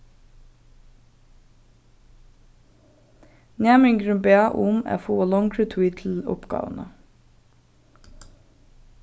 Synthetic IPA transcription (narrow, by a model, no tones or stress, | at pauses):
næːmɪŋɡɾʉmbeːɑʔuːmæ̰fuːoːlɔŋkʰɹʉt̪ʰwiːt̪ʰl̩ʊ̰pɡ̥ɑ̰ːʋənə